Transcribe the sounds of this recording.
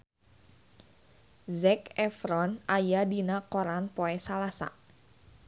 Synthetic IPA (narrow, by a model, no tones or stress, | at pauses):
zɛkɛfɾɔnajadinakɔɾanpoɛsalasa̰